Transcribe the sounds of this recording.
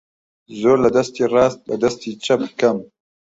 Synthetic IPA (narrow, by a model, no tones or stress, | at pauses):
zoːɾlad̪ast̪eɾɑːst̪̚lad̪ast̪et͡ʃap̚kam